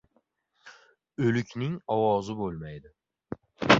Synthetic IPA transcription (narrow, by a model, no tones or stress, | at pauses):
ɵlɪkʲʰnɪŋɒwɒzɪbolˠmajd̪ɪ